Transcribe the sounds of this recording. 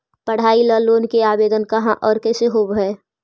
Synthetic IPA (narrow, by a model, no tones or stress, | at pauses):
pɐɽ̤aːiləːloːnkeaːbeːd̪ənkɐɦãʔɔːɾkɛːseɦoːbɦɛː